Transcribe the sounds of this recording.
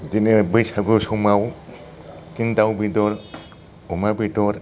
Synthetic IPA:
zinebɯjsaɡusumaw | kindawbidɔɾ | ɔmabidɔɾ

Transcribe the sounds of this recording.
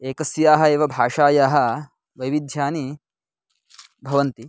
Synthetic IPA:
eːkɐsjaːɦɐeːʋɐbʱaːʂaːjaːɦɐ̆ | ʋɐjʋid̪ʱjaːni | bʱɐʋɐnt̪i

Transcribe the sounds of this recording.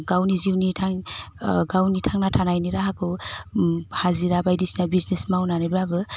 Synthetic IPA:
ɡawniziwnitʰaŋ | ɡawnitʰaŋnatʰanajniɾaɦakʰɯw | haziɾabajdisnabiznesmawnanabɾabɯ

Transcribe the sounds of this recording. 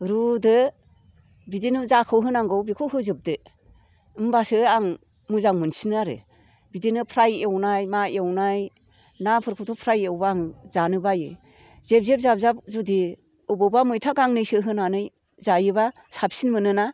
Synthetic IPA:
ɾudɯ | bidinɯzakʰɯwɦɯnaŋɡɯwbikʰɯwɦɯzɯp̚dɯ | mbasɯaŋ | muzaŋmɯnsinɯaɾɯ̰ | bidinɯpʰɾajewnajmaewnaj | napʰɯɾkʰɯwtʰɔpʰɾajewbaaŋzanɯbajɯ̰ | z̥ep̚zep̚zap̚zap̚zudi | ɯbɯwbamɯjtʰaɡaŋnɯjsɯɦɯnanɯj | zajɯba | sap̚sinmɯnɯna

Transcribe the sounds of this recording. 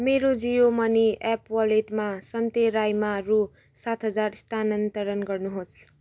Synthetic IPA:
meɾod͡zijomʌniɛpwʌleʈmasʌnt̪eɾajmaru | sat̪ɦʌd͡zarst̪ʰanʌnt̪ʌɾʌnɡʌrnuɦos

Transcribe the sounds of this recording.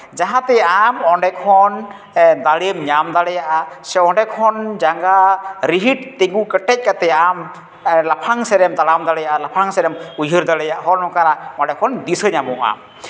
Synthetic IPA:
d͡ʒaɦãt̪ɛamɔɳɖɛkʰɔn | d̪aɽimɲamd̪aɽɛjaʔasɛɔɳɖɛkʰɔnd͡ʒaŋɡaɾiɦiʈ̚t̪ɛŋɡukəʈɛc̚ˀkat̪ɛam | lapʰaŋsɛɾɛmd̪aɽamd̪aɽɛjaʔalapʰaŋsɛɾɛmujɦɯɾd̪aɽɛjaʔɦɔɾnɔkaɾaɔɳɖɛkʰɔnd̪isəɲamuʔa̰m

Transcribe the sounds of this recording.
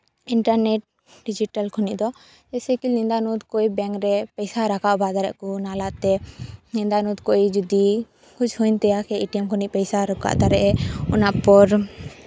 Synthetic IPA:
iɳʈaɾneʈ̚ | ɖid͡ʒiʈalkʰɔniʔd̪ɔ | d͡ʒɛsɛkilnind̪anud̪kojbɛŋkɾɛpɛjsaɾakaʔbad̪aɾɛ̰ʔkunalaʔt̪ɛnind̪anud̪koid͡ʒud̪i | kut͡ʃʰhujnt̪ɛjakʰɛiʈiɛmkʰɔniʔpɛjsaɾɔka̰ʔd̪aɾɛʔɛunaʔpɔɾ

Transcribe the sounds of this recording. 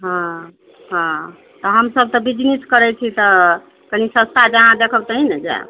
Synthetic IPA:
ɦã | ɦã | t̪əɦəmsəb̚t̪ɔbid͡ʒniskəɾɛt͡ʃʰit̪ə | kənisə̃st̪ad͡ʒañãd̪ekʰəbt̪əɦinəd͡ʒa̰

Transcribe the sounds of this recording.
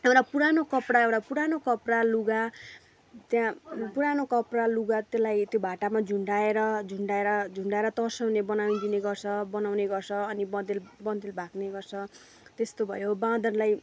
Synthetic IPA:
ew̃ɾapuɾanokʌpɽaew̃ɽapuɾanokʌpɽaluɡa | t̪jãpuɾanokʌpraluɡat̪elajt̪jobʱaʈamad͡zʱuɳɖaeɾʌd͡zʱuɳɖaeɾʌd͡zʱuɳɖaeɾʌt̪ʌsʌwnebʌnaw̃d̪ineɡʌrt͡sʰʌbʌnawneɡʌrt͡sʰʌːnibʌd̪elbʌnd̪elbʱakneɡʌrt͡sʰʌ | t̪est̪obʱʌ̰jobãd̪ʌnlaj

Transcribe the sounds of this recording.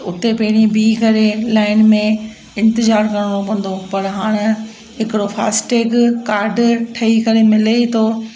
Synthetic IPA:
ʊt̪epɐɦɪɽ̃ĩbiːkɐɾelaːɪnmẽ | ɪ̃nt̪ɪzaːɾkɐɽ̃ɽ̃opɐ̃n̆d̪opɐɾɦaːɽ̃̆ | ɦɪkɪɾofʰa̰ːsʈeːkkaːɾɖʈʰɐikɐɾemɪlet̪ʰoː

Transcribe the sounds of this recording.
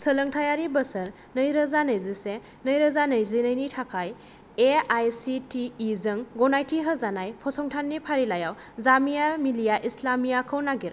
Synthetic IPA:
sələŋtʰajaɾibəsəɾ | nəjɾəzanəjzise | nəjɾəzanəjzɯnəjnitʰakʰaj | eajsitiːzɯŋɡɔnajtiɦəzanajpʰɔsɔŋtʰanːipʰaɾilajaw | zamijamilijaʔislamijakʰəwnaɡiɾ

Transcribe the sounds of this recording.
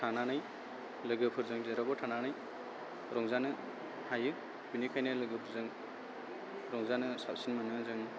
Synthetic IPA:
tʰananɯj | lɯɡɯpʰɯɾzɯŋdeɾabɔtʰananaj | ɾɔŋzanɯ | hajɯ | binikʰajnɯlɯɡɯpʰɯɾzɯŋ | ɾɔŋzanɯsap̚sinmɯnɯzɯŋ

